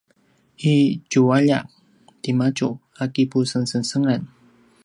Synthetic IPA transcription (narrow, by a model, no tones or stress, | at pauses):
it͡ʃuwaʎaʔ | t̪imat͡ʃu | akipusənsənsəŋan